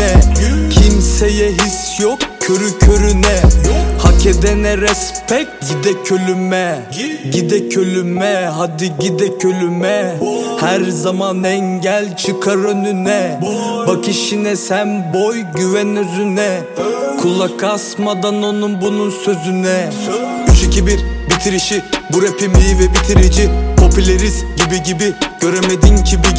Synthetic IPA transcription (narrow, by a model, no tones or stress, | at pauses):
ɛcʰimsejɛɦisjokcʰøɾycʰøɾynɛhacʰɛd̪ɛnɛɾɛspʰɛk̚ɟid̪ɛcʰø̞lymɛ | ɟid̪ɛcʰølʲymɛɦad̪iɟid̪ɛcʰølʲymɛhæɾzamanɛŋɟælʲt͡ʃʰɯkʰaɾønynɛbakʰiʃinɛsænbojɟyvɛnøzynɛ | kʰulˠakʰasmad̪anonɯnbununsø̞zynɛ | yʃicʰibiɾbit̪ʰiɾiʃibuɾepʰimlʲijivɛbit̪ʰiɾid͡ʒipʰo̞pʰylʲeɾizɟibiɟibiɟ̥ø̞ɾemed̪inɟibi